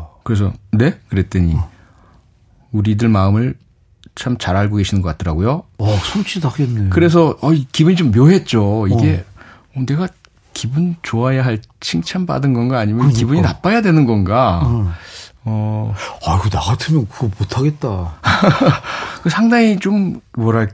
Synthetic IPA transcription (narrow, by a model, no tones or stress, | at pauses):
kɯɾe̞s̬ʰʌne̞kɯɾe̞t͈eɲi | uɾidɯɭmaɯmɯɭ | t͡ɕʰamt͡ɕaɾaɭɡoɡe̞ɕʰinɯnɡʌk͈atʰʌɾaɡojosʰont͡ɕʰitakenːekɯɾe̞s̬ʰʌʌikibuɲit͡ɕomːjoɦe̞t̚t͡ɕ͈oiɡe̞ | ʌne̞ɡa | kibunt͡ɕoajaɦaɭ | t͡ɕʰiŋt͡ɕʰamba̰dɯnɡʌnɡaːɲimjʌnkibuɲinap͈ajadwe̞nɯnɡʌnɡa | ʌaiɡonaɡatʰɯmjʌnkɯɡʌmotʰaɡet̚t͈a | kɯsʰaŋdaŋit͡ɕommwʌɾaɭk